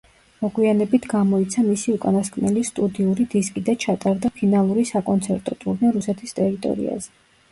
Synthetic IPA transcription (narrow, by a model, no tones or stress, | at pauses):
mɔɡwianɛbit̪ʰɡamɔit̪sʰamisiukʼanaskʰʼmɛlist̪ʼud̪iuɾid̪iskʼid̪at͡ʃʰat̪ʼaɾd̪apʰinalˠuɾisakʼɔnt̪sʰɛɾt̪ʼɔ̰t̪ʼṵɾnɛɾusɛt̪ʰist̪ʼɛɾit̪ʼɔ̰ɾḭa̰zɛ